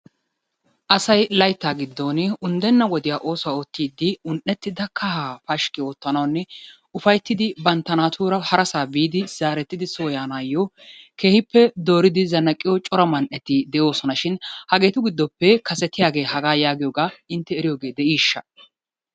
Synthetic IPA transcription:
ʔɐsɐjlɐjt̪ːaːɡɪd̪ːoːnʊnd̪ɛnːɐwɔd̪ɪjaːʔo̞ːsʊwaːot̪ːiːd̪ːɪʊnʔɛt̪ːɪd̪ɐkːɐhaːfɐʃkɪo̞ːt̪ːɐnɐwɐnːɛ | ʊfɐjt̪ːɪd̪ɪbɐnt̪ːɐnaːt̪ʰuːɾɐhɐɾɐsaːbiːd̪ɪz̥aːɾɛt̪ːɪd̪ɪsoːjaːnaːjːɔ | ke̞ːhɪpːɛd̪o̞ːɾɪd̪ɪzɐnːɐkʼːɪjɔt͡ʃʼɔɾɐmɐnʔɛt̪ːɪd̪ɛjo̞ːsɔnɐʃɪnhɐɡe̞ːt̪ʊɡɪd̪ːɔpːɛkɐsɛt̪ːɪjaːɡe̞ːhɐɡaːjaːɡɪjɔːɡaːɪnt̪ːɛːɾɪjoːɡe̞ːd̪ɛʔiːʃːɐ̰

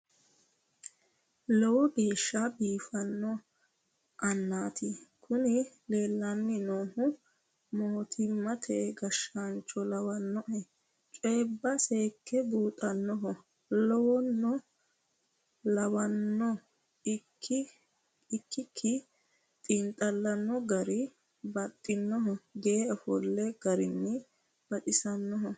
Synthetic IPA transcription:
lɔwɔɡe̞ːʃːabiːfɐnːɔ | ʔɐnːaːt̪ʰɪkʰʊnɪ | leːlːanːɪnoːhʊ | moːt̪ʰɪmːɐt̪ʰɛɡɐʃːaːnt͡ʃːɔlɐwɐnːɔʔɛ | t͡ʃʼeːbːɐse̞ːkːɛbuːt̪ʼɐnːɔɦɔ | lɔwɔnːɔ | lɐwɐnːɔ | ɪkː | ɪkːɪkʰːɪ | t̪ʼɪnt̪ʼɐlːɐnːɔɡɐɾɪ | bɐt̪ʼːɪnːɔɦɔɡe̞ːɔfɔlːɛɡ̥ɐɾɪnːɪ | b̥ɐt̪ɪsɐnːɔɦɔ

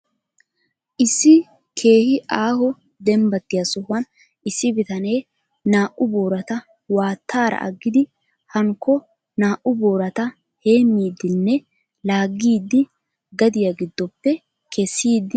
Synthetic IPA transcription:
ʔɪsːɪ | kʰe̞ːhɪʔaːhɔ | d̪ɛmbɐt̪ːɪjɐsɔhʊɐn | ʔɪsːɪbɪt̪ɐne̞ː | naːʔʊbo̞ːɾɐt̪ɐ | waːt̪ʰːaːɾɐ̰ʔɐ̰ɡːɪd̪ɪ | hɐŋkːɔ | naːʔʊbo̞ːɾɐt̪ɐ | he̞ːmːiːd̪ɪnːɛ | laːɡːiːd̪ːɪ | ɡɐd̪ɪjɐɡɪd̪ːɔpːɛ | kʰɛsːiːd̪ːɪ

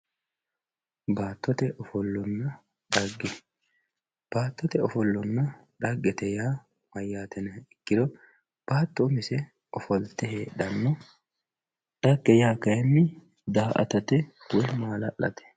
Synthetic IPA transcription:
baːt̪ːɔt̪ɛʔɔfɔlːɔnːɐ | ɗ̪ɐɡːɛ | b̥aːt̪ːɔt̪ɛɔfɔlːɔnːɐ | ᶑ̪ɐɡːɛt̪ɛjaː | mɐjːaːt̪ɛnɐɪkːɪd̪ɔ | b̥aːt̪ːɔmɪsɛ | ɔfɔlt̪ɛheːɗ̪ɐnːɔ | ɗɐɡːɛjaːkɐjmːɪ | d̪aːʔɐ̰t̪ɐt̪ɛ | wɔjmaːlɐ̰ʔːɐ̰t̪ɛ̥

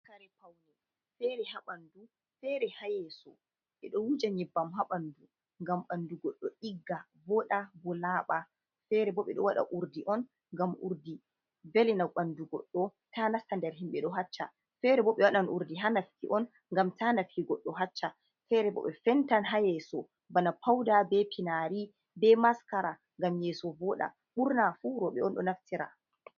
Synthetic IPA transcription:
kaɾɛpawnɛ | fɛɾɛɦaɓandu | fɛɾɛhajɛsɔ | ɓɛɗɔwud͡ʒaɲɛbːamɦaɓandu | ŋɡamɓanduɡɔɗːɔʔiɡːa | bɔɗabɔlaːɓa | fɛɾɛbɔɓɛɗɔwaɗa̰ʔuɾdiʔɔn | ŋɡamʔṵɾdi | velɛnawɓanduɡɔ̰ɗːɔ | tʰanaftandɛɾɦimɓɛɗɔɦat͡ʃːa̰ | fɛɾɛbɔɓɛwaɗanʔṵɾdiɦanafkiʔɔn | ŋɡamtanafkiɡɔɗːɔɦat͡ʃːa | fɛɾɛbɔ̰ɓɛfɛntanɦajɛsɔ | banapʰawdabɛpʰinaɾi | bɛmaskaɾa | ŋɡamjɛsɔvɔɗa̰ | ɓuɾnafuɾɔɓɛɔnɗɔnaftiɾa̰

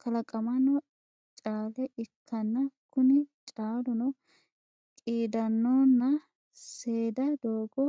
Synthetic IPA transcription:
kʰɐlɐkʼɐmɐnɔ | t͡ʃʼaːlɛʔɪkʰːɐnːɐkʰʊnɪt͡ʃʼaːlʊnɔ | kʼiːd̪ɐnːoːnːɐ | seːd̪ɐd̪oːɡɔ

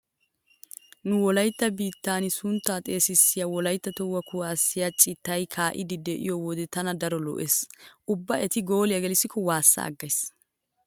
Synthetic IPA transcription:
nʊwɔlɐjt̪ːɐbiːt̪ːaːnɪsʊnt̪ːaːt̪ʼe̞ːsɪsːɪjawɔlɐjt̪ːɐt̪ɔwːɐkʊwaːsːɪjat͡ʃʼɪt̪ːɐjkʰaːʔɪd̪ɪd̪ɛʔɪ̰jɔwɔd̪ɛt̪ɐnɐd̪ɐɾɔlɔ̰ʔeːsʔʊbːɐʔɛt̪ɪɡo̞ːlɪjɐɡɛlɪsːɪkʰɔwaːsːɐ̰ɐ̰ɡːɐjs

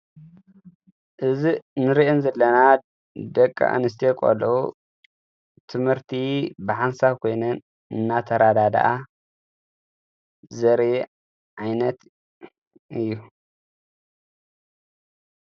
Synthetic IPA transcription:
ʔɨzinɨɾiʔɛnzɐlːɐna | d̪ɐkʼːa̰ʔɨ̰nɨs̬t̪ʰekʼo̰lɐu | t̪ʰɨmhɨɾt̪ʰibɨħansaβkʰo̞jnɐn | ɨnːat̪ʰɐɾad̪ad̪a̰ʔa | zɐɾe | ʕajnɐt̪ | ʔɨjːu

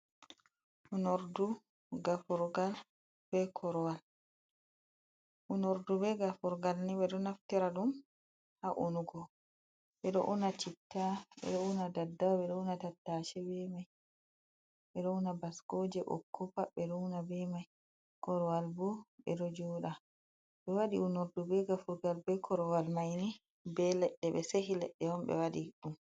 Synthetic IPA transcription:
ʔunɔɾdu | ɡafuɾɡal | b̥ɛkʰɔɾɔwal | ʔunɔɾdubɛɡafuɾɡalniɓɛɗɔnaftiɾaɗum | haʔunuɡɔ | ɓɛɗɔ̰ʔunat͡ʃitːaɓɛ̰ɗɔunadadːaɓɛɗɔunatatːaːʃɛbɛmaj | ɓɛɗɔunabaskoːd͡ʒɛɓɔ̰kːɔpaɓɛɗɔunabɛmaj | kɔɾɔwalbuɓɛ̰ɗɔd͡ʒɔːɗa | ɓɛwaɗiunuɾdubɛɡafuɾɡalbɛkʰɔɾɔwalmajni | bɛlɛɗːɛɓɛsehilɛ̰ɗːɛɔmbɛ̰waɗiɗum

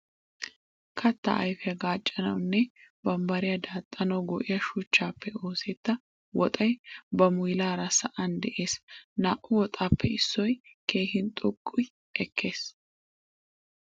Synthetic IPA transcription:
kʰɐt̪ːɐ̰ʔɐ̰jfɛjɐɡaːt͡ʃʼːɐnɐwnːɛbɐmbɐɾɪjɐd̪aːt̪ʼːɐnɐwɡɔʔɪjɐʃʊt͡ʃːaːpːɛo̞ːseːt̪ːɐ | wɔt̪ʼɐjbɐmʊjlaːɾɐsɐʔɐnd̪ɛʔe̞ːsnaːʔʊwɔt̪ʼaːpʰːɛɪsːɔjke̞ːhɪnt̪ʼʊkʼːʊj | ʔɛkʰːe̞ːs

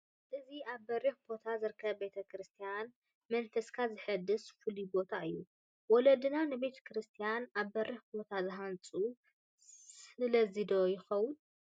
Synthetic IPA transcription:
ʔɨziʔaβbɐriħbo̞t̪ʰazɨɾkʰɐβbe̞t̪ʰɐkʰɾɨst̪ʰijan | mɐnfɐskʰazɨħɨd̪ːɨsfɨlibo̞t̪ʰaɨjːu | wɔlɐd̪ɨnanɨbe̞t̪ʰɐ̥kɾɨst̪ʰijanaβbɐrʔiħbo̞t̪ʰazɨɦant͡sʼu | sɨlɐzid̪o̞jɪxɐwʊn

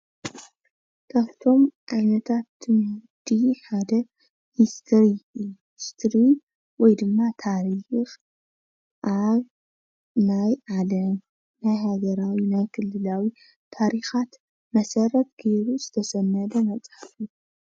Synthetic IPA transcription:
k̪ʰaβt̪ʰo̞mʕajnɐt̪ʰat̪ːɨmud̪iħad̪ɐ | hist̪ʰɾiɨjːuhist̪ʰɾi | wɔjd̪ɨmːat̪ʰaɾix | ʔaβ | najʕalɐm | najɦaɡɐɾawinajkʰɨlːɨlawi | t̪ʰaɾixat̪ | mɐsɐrɐt̪̚ɡeɾuzɨt̪ʰɐsɐnːɐd̪ɐmɐt͡sʼħafu

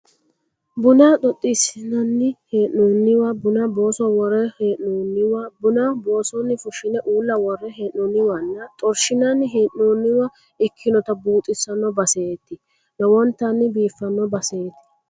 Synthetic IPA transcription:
bʊnɐɗ̪ɔt̪ʼːɪsɪnɐnːɪheːʔnuːnːɪwɐbʊnɐboːsɔwɔɾɛheːʔnuːnːɪwɐbʊnɐboːsɔnːɪfʊʃɪnɛʔuːlːɐwɔrːɛɦeːʔnuːnːɪwɐnːɐt̪ʼɔɾʃɪnɐnːɪɦeːʔnuːnːɪwɐ | ɪkʰːɪnɔt̪ɐbuːt̪ʼɪsɐnːɔbɐseːt̪ːɪ | nɐwɔnt̪ːɐnːɪbiːfːɐnːɔbɐseːt̪ːɪ̥

